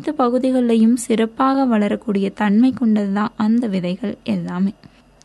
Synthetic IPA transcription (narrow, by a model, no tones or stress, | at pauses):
t̪ːɐpɐɣɯðɪɣɐɭːɐjɯmsɪɾɐpːaːɣɐʋɐɭɐɾɐkːuːɽɪjɐt̪ɐɳmɐɪkːɔɳɖɐðɯðãːʔɐnd̪ɐʋɪðɐɪɣɐɭʔɛlːaːmeː